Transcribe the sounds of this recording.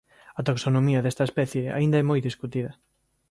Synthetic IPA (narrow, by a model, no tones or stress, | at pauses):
ɐt̪aksonomiɐðɛst̪ɐespɛθjea̰ĩnd̪ɐɛmojðiskut̪iðɐ